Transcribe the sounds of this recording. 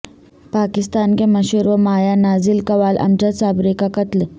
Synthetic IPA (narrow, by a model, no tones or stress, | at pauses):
paːkɪst̪aːnkemɐɕuɾʋəmaːjanaːzilkɐʋaːlʔɐ̰md͡ʑasaːbɾekakɐt̪l